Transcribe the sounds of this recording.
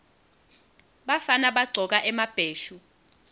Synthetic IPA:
ɓafanaɓaɡ͡ǀʱɔk̬aʔɛmab̥ʱeːʃu

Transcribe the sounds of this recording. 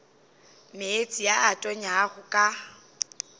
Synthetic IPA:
meet͡sʼijaatʼɔɲaːɣʊkʼa

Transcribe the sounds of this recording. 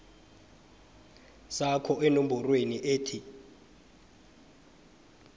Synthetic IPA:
sakʰɔʔɛnom̩bɔrweniʔeːtʰi

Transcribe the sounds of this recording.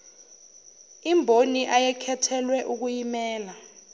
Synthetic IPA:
imbʱoniʔajɛkʰɛtʰɛlwɛʔuk̬ujimɛːla

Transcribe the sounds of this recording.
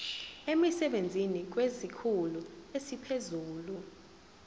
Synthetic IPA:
emisɛɓend͡zʱinik̬wezikʰuluesipʰezuːlu

